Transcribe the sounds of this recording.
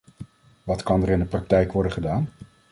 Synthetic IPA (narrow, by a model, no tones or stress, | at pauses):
ʋɑtkɑndərɪndəprɑk̚tɛjkʋɔɹdənχədaːn